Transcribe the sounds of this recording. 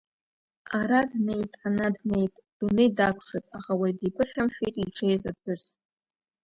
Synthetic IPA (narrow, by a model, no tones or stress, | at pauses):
aɾadne̞jtʼanadne̞jtʼd̥unɨdakʷʰʼʂɨtʼaχawajdipʰɨʃʲᶣamħᶣijtʼiʈ͡ʂʰejzapʰʊz